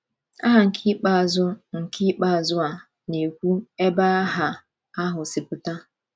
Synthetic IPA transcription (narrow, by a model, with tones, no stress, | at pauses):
a˦ɦa˨ŋ̩˨kʰi˦k͡pa˦a˨zʊ˦ŋ̩˨kʰi˦k͡pa˦˨zʊ˦a˨ | ne˨kʷu˦e˦ba˦ɦa˨ | a˦ɦʊ˨sɪ˨pʊ˦ta˦